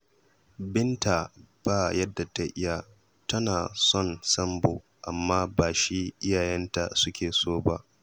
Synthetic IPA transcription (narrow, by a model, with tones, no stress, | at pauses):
bɪ˦ntaː˨b̥aː˦jɐ˦dːa˨ta˦ʔɪ˦ja˨ | tɐ˦naː˨sɔ˦˨nsɐ˦mboː˨ | ʔa˨mːaː˦baː˨ʃi˦ʔɪ˦jaː˨jɛ˦nta˨sʊ˦kʲʰeː˨soː˦ba˦ʔ